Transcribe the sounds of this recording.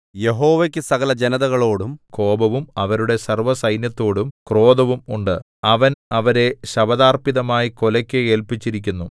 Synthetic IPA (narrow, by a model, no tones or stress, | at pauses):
je̞ɦo̞ːʋekʲːɨsɐɣɐlɐd͡ʑenɐðɐɣɐɭo̞ːɽumko̞ːbɐʋumɐʋɐɾuɽe̞sɐrʋɐsɐjnjɐt̪ːo̞ːɽumkro̞ːd̪ɐʋumuɳɖɨ | ɐʋɐnɐʋɐɾe̞ɕɐbɐðaːrpiðɐmaːjiko̞lɐkʲːɨe̞ːlpit͡ɕːiɾikʲːunːu